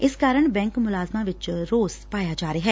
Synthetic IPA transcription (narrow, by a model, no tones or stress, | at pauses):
ɪskaːɾəɳ̃bɛ̃ːŋkmʊlaːzmãʋɪt͡ʃɾoːzpaːjad͡ʒaːɾeɦɛː